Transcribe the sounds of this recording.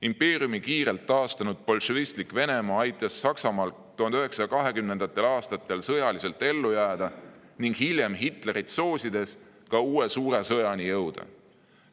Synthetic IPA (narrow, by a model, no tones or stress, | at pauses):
impe̞ːriumikiːɾe̞lt̪ːɑːst̪ɑnud̪̥̚po̞lʃovist̪likˑve̞ne̞mɑːɑjt̪ːˑɑsːɑksɑmɑːl | t̪uhɑnd̪̥yɦe̞ksɑɑkɑɦe̞kymne̞nd̪̥ɑt̪ːˑe̞lɑːst̪ɑt̪ːˑe̞lsɤ̞jɑlise̞lt̪ːˑe̞lːujæːd̪̥ɑ | niŋɡ̥hilʲjemɦit̪ˑle̞ɾit̪so̞ːsʲid̪̥e̞s | kɑuːe̞suːɾe̞sɤjɑnijɤwd̪̥ɑ̰